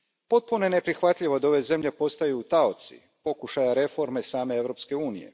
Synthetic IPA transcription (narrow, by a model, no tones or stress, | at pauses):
po̞t̪̚puno̞jene̞pɾixʋat̪ʎʲiʋo̞d̪ao̞ʋe̞ze̞mʎe̞po̞st̪ajuːt̪aot̪sḭ | po̞kuʃajaɾe̞fo̞ɾmesaːme̞eʋɾo̞pske̞uːnije̞̰